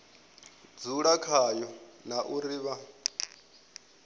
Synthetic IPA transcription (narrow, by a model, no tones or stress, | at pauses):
d͡zuɺakʰajɔnaʔuɾiːβa